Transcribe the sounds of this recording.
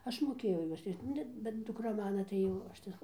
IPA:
ˈɐʃ moːˈkʲeːjɛʊ ˈjuɔs ˈrʲɪʃt͡ʃ ˈnʊ bʲɛt dʊˈkrɐ ˈmɑːnɐ tɐɪ ˈjɛʊ ˈɐʃ tɐɪ

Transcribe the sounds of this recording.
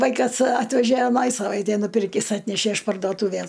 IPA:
ˈʋɐɪkɐs ˈɑːtʲʋʲɛʒʲæ ɐˈnɐj sɐˈʋɐɪtʲɛj nʊˈpʲɪrʲkʲɪs ˈɑːtʲnʲæʃʲæ ɪʃ pɐrdoːˈtuːʋʲæs

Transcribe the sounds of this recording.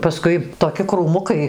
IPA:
pɐˈskʊɪ toːˈkʲɪ kruːˈmʊkɐɪ

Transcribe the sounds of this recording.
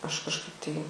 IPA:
ˈɐʃ kɐʃˈkɐɪp tɐɪ

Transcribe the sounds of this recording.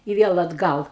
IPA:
ɪ ˈʋʲiɛlˠ ɐdˈɡɐlˠ

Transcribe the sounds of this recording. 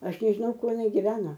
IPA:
ˈɐʃ nʲɛʒʲɪˈnɐʊ ˈkuɔ jɪˈnɐɪ ɡʲɪˈʋʲæːnoː

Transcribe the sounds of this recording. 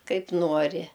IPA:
ˈkɐɪp ˈnuɔrʲɪ

